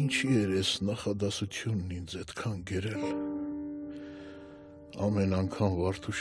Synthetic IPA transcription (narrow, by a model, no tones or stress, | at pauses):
int͡ʃʰiɛɾɛsnɑχɑd̪ɑsut͡sʰjunːind͡zɛt̪kʰɑnɡəɾɛl | ɑmɛnɑŋkʰɑmvɑɾt̪ʰuʃ